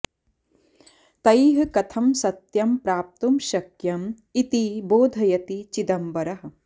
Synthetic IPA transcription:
t̪ɐjɦɐkɐt̪ʰɐmsɐt̪jɐmpɾaːp̚t̪umʃɐkjɐm | it̪iboːd̪ʱɐjɐt̪it͡ʃid̪ɐmbɐɾɐɦɐ̆

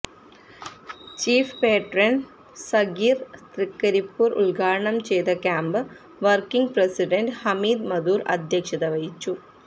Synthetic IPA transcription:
t͡ɕiːfpeːʈrɐn | sɐɡiːrt̪rikːɐɾipːuːrṵɭɡaːɾɐɳɐmt͡ɕejt̪ɐkʲaːmbɨ | ʋɐrkiŋɡprɐsiɖɐnɖhɐmiːd̪mɐd̪uːrɐ̰d̪ʱjɐkʂɐðɐʋɐjit͡ɕːu

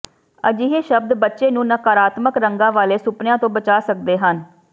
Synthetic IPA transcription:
əd͡ʒiːɦeːʃəb̚d̪bətːʃeːnũːnəkaːɾaːt̪məkɾəŋɡãːʋaːleːsʊpnɪjãːt̪õːbət͡ʃaːsəkd̪eːɦən

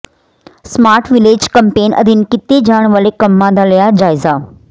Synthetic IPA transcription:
smaːɾʈʰʋɪleːd͡ʒkɐmpeːnʔɐ̰d̪ʱinkɪt̪ed͡ʒaːɽ̃ʋəlekɐmːãnd̪ʱalɐjad͡ʒaːɪza

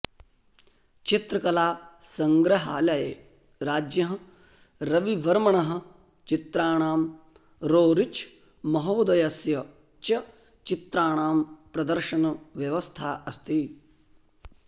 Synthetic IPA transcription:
t͡ʃit̪ɾɐkɐlaː | sɐŋɡɾɐɦaːlɐjeː | ɾaːd͡ʒjɐɦɐ̃ | ɾɐʋiʋɐɾmɐɳɐɦɐ̆ | t͡ʃit̪ɾaːɳ̃aːm | ɾoːɾit͡ʃʰ | mɐɦoːd̪ɐjɐsjɐ | t͡ʃɐ | t͡ʃit̪ɾaːɳ̃aːmpɾɐd̪ɐɾʃɐnɐʋjɐʋɐst̪ʰaːɐst̪i

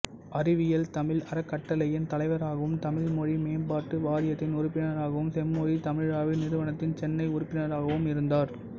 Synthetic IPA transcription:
ʔɐɾɪʋɪjɐlt̪ɐmɪlɐɾɐkːɐʈːɐlɐjɪnt̪ɐlɐɪʋɐɾaːɣɐʋɯmt̪ɐmɪɭmɔɻimeːnbaːɾʈːɯʋaːɾɪjɐt̪ːɪnʊɾʊpːɪnɐɾaːɣɐʋɯmsɛmːoːɻit̪ɐmɪɻaːʋɪnɪɾɯʋɐnɐt̪ːɪnt͡ʃɛnːɐɪʊɾʊpːɪnɐɾaːɣɐʋɯmɪɾɯnd̪aːɾ

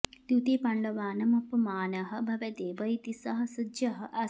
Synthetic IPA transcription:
t̪jut̪iːpɐɳɖɐʋaːnɐmɐpɐmaːnɐɦɐ̆bʱɐʋɐd̪eːʋɐjt̪isɐɦɐsɐdjɐɦɐʔɐ

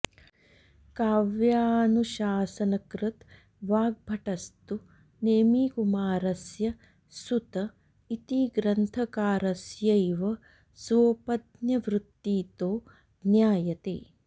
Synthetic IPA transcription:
kaːʋjaːnuʃaːsɐnɐkɾut̪ | ʋaːɡ̚bʱɐʈɐst̪u | neːmiːkumaːɾɐsjɐ | sut̪ɐ | it̪iɡɾɐnt̪ʰɐkaːɾɐsjɐjʋɐ | sʋoːpɐd̪njɐʋɾut̪ːiːt̪oː | njaːjɐt̪ḛː

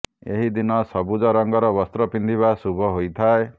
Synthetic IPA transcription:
ḛɦid̪inɔsɔbud͡ʒɔɾɔŋɡɔɾɔbɔst̪ɾɔpind̪ʱiβasubʱɔɦojt̪ʰae

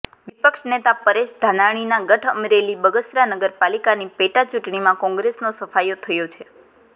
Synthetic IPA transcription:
ʋipəkʃnet̪apəɾed͡ʒd̪ʱanaɽ̃inaɡəʈʰəmɾelibəɡəsɾanəɡəɾpalikanipeʈat͡ʃuʈɳimãkɔ̃ŋɡɾesnosəfajot̪ʰəjot͡ʃʰe

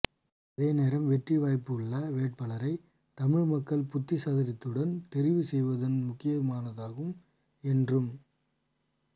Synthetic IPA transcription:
ɐðeːneːɾɐmʋɛʈriʋaːjpːɯɐɭːɐʋeːʈ̚pɐɭɐɾɐɪ | t̪ɐmɪɻmɐkːɐɭpʊt̪ːɪsaːðɪɾɪt̪ːɯɽɐnt̪ɛɾɪʋɯsɛjʋɐðɐnmʊkːɪjɐmaːnɐðaːɣɯm | ɛndrɯm

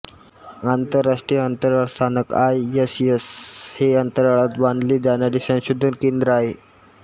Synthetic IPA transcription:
ant̪əɾaʂʈɾijəənt̪əɾaɭst̪ʰanəkajːəsjəsheənt̪əɾaɭat̪ʋãnd̪liːd̪anaɾiːsə̃nɕud̪ʱːuːnkend̪ɾəaɦe

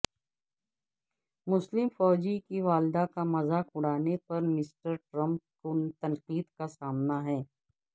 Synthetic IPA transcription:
mʊslɪmfɔːd͡ʒikiʋaːld̪akamɐzakʊɽaːnepɐɾmɪsʈəɾʈɾɐ̃mp̚kot̪ɐ̃nqiːd̪kasaːmnaɦɛː

